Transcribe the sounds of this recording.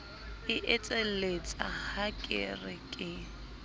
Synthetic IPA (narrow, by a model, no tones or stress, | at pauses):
ɪʔɛt͡sʼelet͡sʼahakʼɪ̰rɪkʼɪ